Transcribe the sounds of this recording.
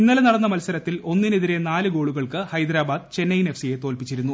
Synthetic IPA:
inːɐlenɐɽɐnːɐmɐlsɐɾɐt̪ːilo̞nːineðiɾe̞naːlɨɡo̞ːɭuɣɐɭkɨhɐjd̪ɾaːbaːd̪̚t͡ɕe̞nːɐjne̞fsije̞t̪o̞ːlpit͡ɕːiɾunːu

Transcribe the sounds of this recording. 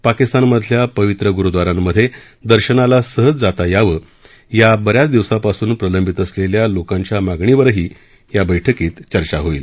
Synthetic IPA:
pakist̪anməd̪ʱljapəʋit̪ɾəɡuɾud̪ʋaɾãmːəd̪ʱje | d̪əɾɕənalasəɦət͡sd͡zat̪ajaʋə | jabəɾjat͡sd̪iʋsapasuːnpɾələmbʱit̪əsleljalokãɲt͡ɕjamaɡɳiʋəɾɦiː | jabəjʈʰəkiːt̪t͡ɕəɾt͡ɕaɦoḭːl

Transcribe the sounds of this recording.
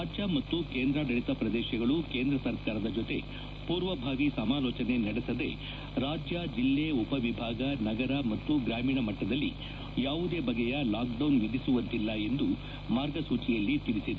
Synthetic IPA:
ɾaːd͡ʒjɐmɐt̪ːukeːnd̪ɾɐɖɐɭisɐpɾɐd̪ɛːʃɐɡɐɭuke̞ːnd̪ɾɐsɐɾkaːɾɐd̪ɐd͡ʒot̪e̞ | puːɾʋɐbʱaːɡisɐmaːlɔːt͡ʃɐne̞nɐɽɛsɐd̪e̞̰ | ɾaːd͡ʒjɐd͡ʒilːeupɐʋibʱaːɡɐnɐɡɐɾɐmɐt̪ːuɡɾaːmiːɳɐmɐʈːɐd̪ɐlːḭ | jaːʋud̪eːbɐɡɛjɐlaːk̚ɖɐwnʋid̪isuʋɐnt̪ilːɐe̞nd̪u | maːɾɡɐsuːt͡ʃijɐlːit̪iɽisid̪

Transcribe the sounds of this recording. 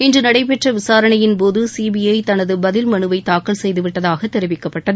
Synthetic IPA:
ɪndrɯnɐɽɐɪp̬ɛʈrɐʋɪsaːɾɐɳɐjɪnpoːðɯsiːbɪjɐɪt̪ɐnɐðɯbɐðɪlmɐɳɯʋɐɪt̪aːkːɐɭsɛjðɯʋɪʈːɐðaːɣɐt̪ːɛɾɪʋɪkːɐpːɐʈːɐðɯ

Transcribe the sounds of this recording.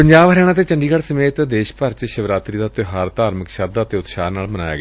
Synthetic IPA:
pəɲd͡ʒaːʋɦəɾɛːɽ̃ãːt̪eːt͡ʃəɳɖiːkəɽsəmeːt̪d̪eːʃpəɾt͡ʃʃəʋɾaːt̪ɾiːd̪aːt̪ʊɦaːɾət̪aːɾməkʃad̪aːt̪eːʊt̪ʃaːnaːlməna̰ːja̰ːɡː

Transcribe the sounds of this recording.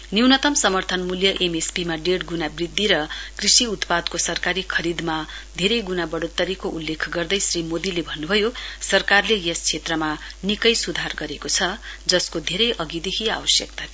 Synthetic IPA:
niwnʌt̪ʌmsʌmʌrt̪ʰʌnmuljʌʔemespimaɖeɽɡunabrid̪ːiɾʌkrisiut̪pad̪kosʌrkaɾikʰʌɾid̪mad̪ʱeɾʌjɡunabʌɽot̪ːʌɾikoʔulːekʰɡʌrd̪ʌjsrimod̪ilebʱʌnːubʱʌjosʌrkarlejʌst͡sʰet̪rʌma | nikʌjsud̪ʱarɡʌɾekot͡sʰʌd͡zʌskod̪ʱeɾʌjʔʌɡid̪ekʰia̰wʌsjʌk̚t̪a

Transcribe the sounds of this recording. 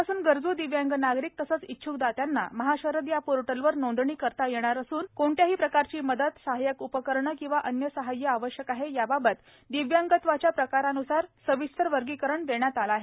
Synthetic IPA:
asuːnɡəɾd͡zuːd̪iʋjaŋɡənaɡɾik̚t̪əsət͡sitːt͡ɕʰukd̪at̪janːa̰məɦaɕəɾət̪japoɾʈəlʋəɾnõnd̪ɳiːkəɾt̪ajeɽ̃aɾəsuːnkoɳʈjaɦiːpɾəkaɾt͡ɕiːməd̪ət̪saɦajəkupəkəɾɳəkĩw̃ʋaʔənjəsəɦajːəaʋəɕjəkaɦejababət̪ | d̪iʋjaŋɡət̪ʋat͡ɕjapɾəkaɾanusaɾsəʋist̪ʰəɾʋəɾɡiːkəɾəɳd̪eɳjat̪alaɦe

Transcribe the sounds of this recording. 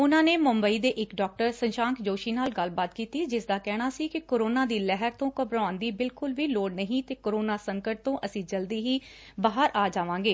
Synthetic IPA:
ʊnãːneːmʊmbəiːd̪eːʔɪkɖɔːk̚ʈəɾsənʃãːŋkd͡ʒoːʃiːnaːlɡəlbaːt̪kiːt̪iːd͡ʒɪsd̪aːkɛːɽ̃aːsiːkɪkoːɾoːnãːd̪iːlɛɦəɾt̪õːkəbɾaːnd̪iːbɪlkʊlʋiːloːɽnəɦĩːt̪eːkoɾoːnaːsəŋkəʈ̚t̪õːʔəsĩːd͡ʒəld̪iːɦiː | baːɦəɾʔaːd͡ʒaːʋãːɡeː

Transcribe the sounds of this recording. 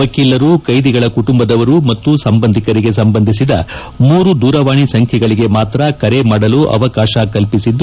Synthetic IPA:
ɐkilːɐɾukɐjd̪iɡɐɭɐkuʈumbɐd̪ɐʋɐɾumɐt̪ːusɐmbɐnd̪ʱikɐɾiɡe̞sɐmbɐnd̪ʱisid̪ɐ̰ | muːɾud̪uːɾɐʋaːɳisɐŋkʰjɛɡɐɭiɡe̞maːt̪ɾɐkɐɾemaːɽɐluʔɐ̰ʋɐkaːʃakɐlpisid̪ː

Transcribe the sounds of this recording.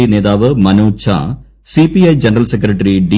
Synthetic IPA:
ine̞ːd̪aːʋɨmɐnuːt͡ɕʰa̰ | sipiɐjd͡ʑenɐrɐlsekɾɐʈːɐriɖi

